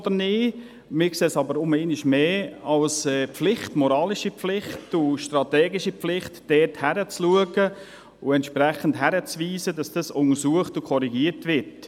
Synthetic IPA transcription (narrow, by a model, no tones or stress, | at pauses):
d̥̪əɾnɪː | mɪːkseːsɑbəɾʊmeːniʃmeːɑlsɛːpflɪχtmɔɾɑːlɪʃipflɪχtʊʃtɾɑtɛːɡɪʃiflɪχtd̥ɛːthæɾət͡sluəɡə | ʊɛntʃpɾɛχən̩tɦæɾət͡sʋiːzədɑsd̥ɑsʊŋəsuəχtʊkʰɔɾiɡiːəɾtʋɪt